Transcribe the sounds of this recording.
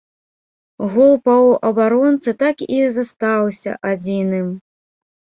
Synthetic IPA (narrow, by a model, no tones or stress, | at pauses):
ɣɔlˠpɐwʔɐbaɾɔnt̪sɨt̪akizast̪awsʲɐ̰ʔad͡zʲinɨm